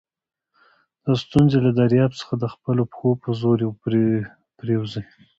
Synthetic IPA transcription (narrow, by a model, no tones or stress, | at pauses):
d̪̥əst̪unzelad̪aɾjɑbt͡sə̥xad̪əxpəlopxopəzoɾjew | pɾewzi